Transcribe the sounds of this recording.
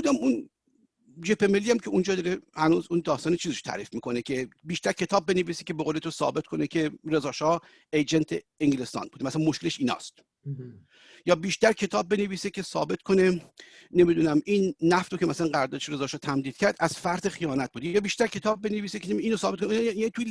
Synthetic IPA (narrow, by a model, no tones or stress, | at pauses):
buːd̪æmun | d͡ʒepʰemelːiːæmcʰeund͡ʒɒːd̪ɒːɾehænuːzund̪ɒːst̪ɒːnet͡ʃʰiːzeʃo̥t̪ʰæ̰ːɾiːfmiːko̞necʰe̞biːʃt̪æɾcʰe̞t̪ɒːb̚ːeneviːse̥cʲebeɣoːlet̪ʰosɒ̰ːbe̞t̪kʰo̞necʲʰe̞ɾe̞zɒːʃɒː | ejd͡ʒent̪ʰeeŋɟle̞st̪ɒ̰ːnbud̪emæsælænmoʃkeleʃiːnɒ̰ːst̪ | jɒːbiːʃt̪æɾckʰe̞t̪ʰɒːb̚ːe̞neviːsekʰesɒ̰ːbe̞t̪kʰo̞ne̞ | nemid̪uːnæminːæft̪ɾokʰʲemæsælænɡæɾd̪ɒːʃeɾe̞zɒːʃɒːt̪ʰæmd̪iːd̪̥cʰæɾd̪æz̥fæɾd̪exijɒːnæt̪̚buːd̪ejɒːbiːʃt̪æɾcʰe̞t̪ʰɒːb̚ːe̞neviːsekeniːnosɒːbt̪kʰoniet̪ʰu